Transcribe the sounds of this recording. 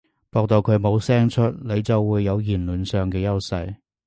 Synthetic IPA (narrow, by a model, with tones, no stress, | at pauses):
pɔː˧k̚t̪o˨˧wkʰɵ˨˧ɥmo˨˧wsɛː˥ŋt͡ʃʰɵ˥t̚le˨˧jt͡sɐ˨wːuː˨˧jːɐ˨˧wjiː˨˩nluː˨˩nsœː˨ŋkɛː˧jɐ˥wsɐ˧j